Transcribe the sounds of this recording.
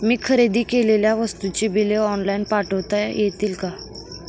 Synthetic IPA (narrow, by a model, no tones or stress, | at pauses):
miːkʰəɾed̪iːkeleljaʋəst̪ut͡ɕiːbileɔnlainpaʈəʋt̪ajjet̪iːlka